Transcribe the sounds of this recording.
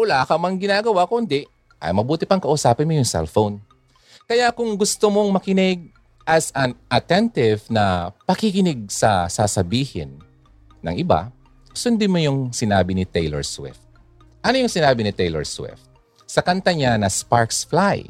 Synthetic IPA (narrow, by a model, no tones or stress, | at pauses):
ʊlaːkɐmɐŋɡɪnaːɡɐwakʊnd̪ɪʔ | ʔɐ̰jmɐbuːt̪ɪpɐŋkɐʔʊsaːpɪnmojʊŋsɛ̰lfown | kɐjakʊŋɡʊst̪omoŋmɐkɪnɪɡ̚ | ʔɐsɐnʔɐt̪ɛnt̪ɪvnɐpɐkɪkɪnɪɡ̚sɐsasɐbiːhɪ̰nː | ɐ̰ŋʔɪba̰ | sʊnd̪ɪmojʊŋsɪnaːbɪnɪt̪ɛjlɛ̰ɹswɪ̰ft̪̚ | ʔɐnojʊŋsɪnaːbɪnɪt̪ɛjlɛ̰ɹswɪ̰ft̪̚ | sɐkɐnt̪ɐɲanɐspaɹksflaj